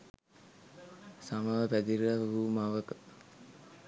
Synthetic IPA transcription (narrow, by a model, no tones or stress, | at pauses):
samaʋəpæd̪iɾaɦumaʋəkə